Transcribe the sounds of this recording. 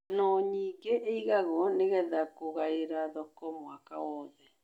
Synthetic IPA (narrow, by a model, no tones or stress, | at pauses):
noɲiɡeʔeiɣaɣoneɣɛðakoɣaeɾaðokomwakaoðɛ